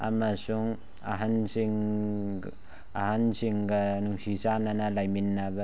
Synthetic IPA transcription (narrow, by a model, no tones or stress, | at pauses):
a̰masuŋ | a̰ɦansiŋ | ahansiŋɡanuŋsisananalajminːaba